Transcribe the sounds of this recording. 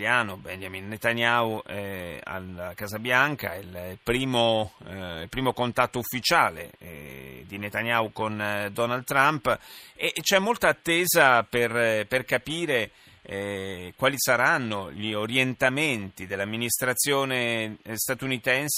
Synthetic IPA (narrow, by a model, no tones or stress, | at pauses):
aːnobɛɲd͡ʒaminːet̪anauɛa̰lakazabjaŋka̰ilpɾiːmo | ilpɾiːmokont̪at̪ːoufːit͡ʃaːlḛ | d̪inet̪anjawkond̪ɔnald̪t̪ːɾampet͡ʃɛmːolt̪aːt̪ːeːzaperperkapiːɾe | kwaːlisaɾanːoʎioɾjent̪ament̪id̪elːamːinist̪ɾat̪sːjoːnest̪at̪unit̪ɛns